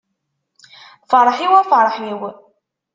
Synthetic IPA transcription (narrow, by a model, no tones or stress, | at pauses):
fɑɾˤħiwæfɾˤħiw